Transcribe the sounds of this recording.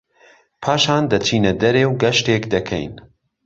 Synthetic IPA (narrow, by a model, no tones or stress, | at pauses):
pʰaːʃaːnd̪ɐt͡ʃʰiːnɐd̪ɐɾeːwɡɐʃteːkd̪ɐkʰɛ̰jn